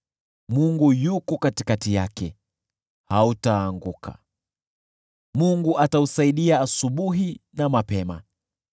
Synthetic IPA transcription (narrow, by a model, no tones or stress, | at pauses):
muŋɡujukɔkatikatijakɛ | hautaːŋɡukʰa̰ | muŋɡuʔatausaiɗiaːsuɓuɦinamapɛma̰